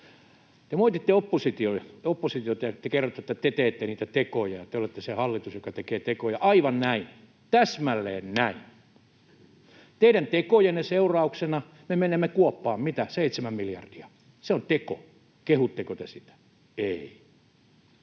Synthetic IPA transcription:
t̪emoit̪it̪ːeopːosit̪ioiopːosit̪iot̪ɑjɑt̪ekerːot̪ːet̪ːæt̪et̪eːt̪ːeniːt̪æt̪ekojɑjɑt̪eolet̪ːesehɑlːit̪usjokɑt̪ekeːt̪ekojɑʔɑiʋɑnnæin | t̪æsmælːḛːnnæin | t̪eidænt̪ekojenːeseurɑuksenɑ | memenemːekuopːɑːmmit̪æseit̪semæmmiljɑ̰rd̥iɑ | seont̪eko̰ | kehut̪ːekot̪esit̪æ̥ | ei

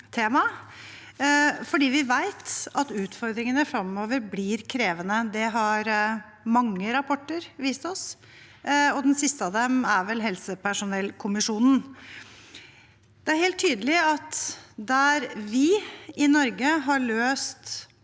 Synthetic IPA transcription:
t̪ʰeːmɑ | fɔɖiːʋɪʋæɪt̪ɑt̪ʉːt̪fɔɾd̪ɾɪŋənəfɾɑmoːʋəɾblɪːɾkʰɾeːʋənəd̪ɛɦɑɾ | mɑŋːəɾɑpʰɔʈːəɾʋiːst̪ɔs | ɔd̪ɛnsɪst̪əɑd̪ɛmæɾʋɛlɦɛlsəpʰæʂʊnɛlkʰʊmɪʂuːnn̩ | d̪̥ɛæɾheːlt̪ʰːyːd̪əlɪɑt̪d̪æɾʋɪɪnɔɾɡəɦɑɭøːst̪

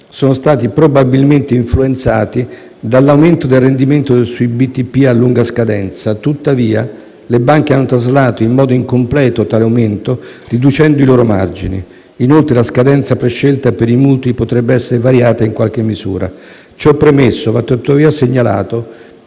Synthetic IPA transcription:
soːnost̪aːt̪ipɾobabilment̪eiɱfluent̪saːt̪i | d̪alːawment̪od̪elrend̪iment̪osuibit̪ːipːialːuŋɡaskad̪ɛnt̪sat̪ut̪ːaviːa | lebaŋk̟eanːot̪azlaːt̪oimːɔːd̪oiŋkomplɛːt̪ot̪aːleawment̪orid̪ut͡ʃɛnd̪oiloːɾoma̰rd͡ʒinḭː | nolt̪ɾelaskad̪ɛnt̪sapɾeʃːelt̪apeɾimult̪ipot̪ɾɛbːeɛsːeɾevaɾjaːt̪aiŋkwalk̟emːizṵːɾa̰ | t͡ʃɔpːɾemesːovat̪ːt̪ut̪ːaviːaseɲːala̰ːt̪o

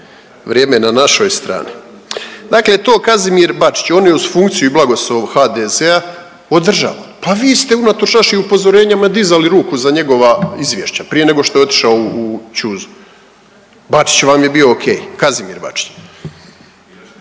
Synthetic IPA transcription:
ʋɾʲjeːmenanaʃo̞jst̪ɾa̰ːni | d̪akle̞t̪o̞ːkazimiːɾbat͡ʃi̥t͡ɕo̞ːnjeuz̥fuŋkt̪sijuiblaɡo̞slˠoʋhad̪ezea | od̪r̩ʒa̰ʋapaʋiːst̪e̞unat̪o̞ʃnaʃiupo̞zo̞ɾe̞ːɲamaid̪izaliɾuːkuzaɲe̞ɡo̞ʋaizʋje̞ʃt͡ɕapɾije̞ne̞ɡo̞ʃt̪oeo̞t̪i̥ʃaouut͡ɕuzu | bat͡ʃi̥t͡ɕʋaːmje̞bio̞ːkʰeːjkazimḭɾba̰t͡ʃi̥t͡ɕ

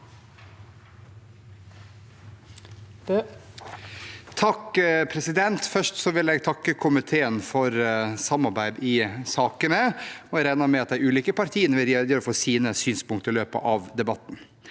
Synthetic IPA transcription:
t̪ʰɑkpʰɾɛsɪd̪ɛnt̪fœʂʈsɔʋɪlɛɡt̪ʰɑkːəkʰʊmɪt̪ʰeːənfɔɾsɑmːɑɾbæɪd̪ɪsɑːkənəɔɾæɪnɑmɛɑt̪d̪æɪʉːliːkəpɑɾt̪ʰiːənəʋɪljed̪jøːɾfoːsiːnəsyːnspʊŋkt̪əɪløːpə̰ʔɑʋd̪ɛbɑt̪ːn̩

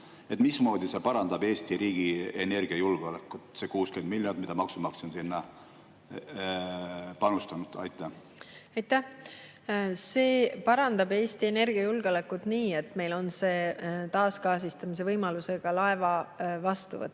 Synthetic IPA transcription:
e̞t̪mismo̞ːd̪ise̞pɑɾɑnd̪ɑbe̞ːsʲt̪iɾiːɡ̥iene̞rɡ̥iɑjulɡ̥olekːˑut̪se̞kuːske̞nd̪milʲːjond̪mid̪̥ɑmɑksumɑksonsinːɑ | pɑnust̪ɑnud̪̥ɑ̰jt̪ːˑæ | ɑjt̪ːˑæh | se̞ːpɑɾɑnd̪̥ɑbe̞ːst̪ie̞ne̞rɡ̥iɑjulɡ̥olækːˑud̪̥niːe̞t̪ːˑme̞jlo̞nse̞ːt̪ɑːskɑːsist̪ɑmis̬e̞vɤjmɑluse̞ɡ̥ɑlɑevɑvɑst̪ṵvɤ̰t̪ː

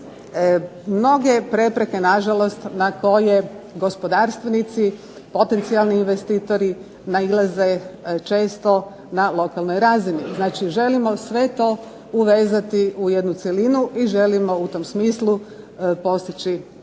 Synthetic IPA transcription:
mno̞ɡe̞pɾe̞pɾe̞ke̞naʒalo̞st̪nako̞je̞ɡo̞spo̞d̪aːɾst̪ʋenit̪si | po̞t̪e̞nt̪sialˠniːnʋest̪iːt̪o̞ɾi | nailˠaze̞t͡ʃe̞ːst̪o̞ | nalˠo̞kalˠno̞jɾaːziniznaːt͡ʃiʒe̞limo̞sʋe̞t̪o̞ː | uʋe̞ːzat̪iʔujed̪nut̪selinuʔiʒe̞limo̞ut̪omsmiːslu | po̞st̪it͡ʃi

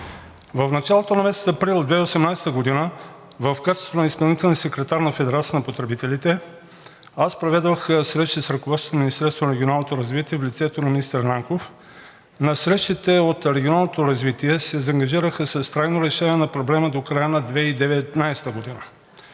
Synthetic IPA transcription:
vɐfnɐt͡ʃalˠot̪onɐmɛst̪ɐpɾilˠd̪vɛiosɛmnajsɛ̥t̪əɡod̪inə | vɐfkat͡ʃɛsonɐispɐlˠnit̪ɛlˠniəsɛkɾɛt̪aɾnɐfɛd̪ɛɾat̪siənɐpot̪ɾɛbit̪ɛlit̪ɛ | aspɾovɛd̪vəxsɾɛʃt̪isɾɐkovɔt̪st̪ːminʲist̪ɛɾst̪vonɐɾɛɡʲionalˠnot̪oɾɐzvit̪iɛvlʲit̪sɛt̪onɐmʲinist̪əɾnaŋkof | nɐsɾɛʃt̪it̪ɛot̪ɾɛɡʲionalˠnot̪oɾɐzvit̪iɛsɛzɐŋɡɐʒiɾəxəsɐst̪ɾajnoɾɛʃɛniɛnɐpɾoblɛməd̪okɾajənɐd̪vɛid̪ɛvɛt̪najsɛ̥t̪əɡod̪inə

